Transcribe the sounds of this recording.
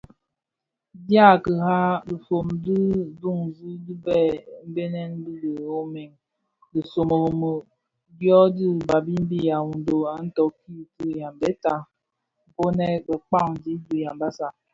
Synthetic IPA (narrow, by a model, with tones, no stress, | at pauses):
dja˦˨kə˨ɦa˦li˨fo˨mdi˦du˦˨ŋ˨zu˦di˦bɛ˦˨m̩˦be˦nɛ˦n˦du˦ɡə˨o˦me˨ŋ | di˨so˨mo˨o˨mə˨ | djɔ˦di˦˨ba˨bi˦m̩˦bi˦ja˨wu˨n˨do˨a˨n̩˦tɔ˨ki˦˨ti˦˨ja˨m˨bɛ˦ta˦ | m̩˨po˦nɛ˦bə˨k͡pa˦˨ŋdi˦du˦˨ja˨m˨ba˦sa˨